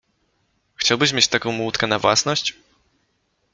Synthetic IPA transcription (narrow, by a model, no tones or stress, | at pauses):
xt͡ɕawbɘɕmʲet͡ɕt̪akɔ̃w̃mut̪kɛnavwa̰snɔɕt͡ɕ